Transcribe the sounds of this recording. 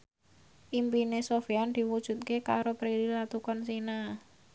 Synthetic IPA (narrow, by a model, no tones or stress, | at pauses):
ʔimpinesofiand̪̥i̤wud̥ʒ̥ṳt̪̚kekaɾopɾeɾilat̪ukɔnsina